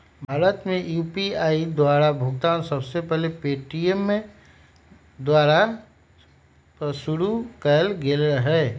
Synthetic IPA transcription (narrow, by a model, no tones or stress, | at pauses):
bʱaːɾət̪mẽjuːpiaːid̪waːɾabʱʊɡt̪aːnsəbsepɛɦlepeːʈiemːẽ | d̪waːɾa | sʊɾukɛlɡelɾəɦɛː